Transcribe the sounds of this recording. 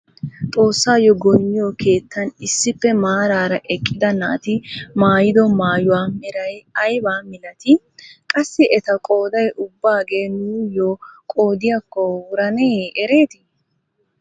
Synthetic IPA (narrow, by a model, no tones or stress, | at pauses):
t̪ʼo̞ːsːaːjɔɡɔjɲːɪjɔke̞ːt̪ʰːɐnɪsːɪpːɛmaːɾaːɾɐʔɛkʼːɪd̪ɐna̰ːt̪ɪmaːjɪd̪ɔmaːjʊwaːmɪɾɐjɐjbaːmɪlɐt̪ɪ | kʼɐsːɪʔɛt̪ɐkʼo̞ːd̪ɐjʔʊbːaːɡe̞ːnuːjoːkʼo̞ːd̪ɪjakːɔwʊɾɐneːɛɾe̞ːt̪ɪ